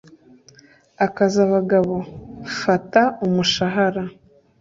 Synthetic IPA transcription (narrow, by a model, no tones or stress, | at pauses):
akazaβaɡaβo̞fataumuʃaɦaɾa